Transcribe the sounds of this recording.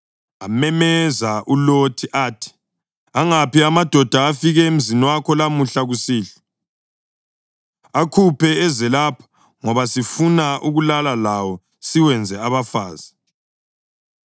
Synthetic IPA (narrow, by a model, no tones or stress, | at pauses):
amɛmɛzaʔulotʰiʔaːtʰi̥ | aŋapiamad̥ʱɔd̥ʱaːfiɣɛem̩ziniwakʰɔlamuɬaɣusiːɬɔ̥ | akʰupʰɛɛzɛlapʰḁ | ŋɔβasifunaʔuɣulalalawɔ | siwɛnd͡zʱɛaβafaːz̥a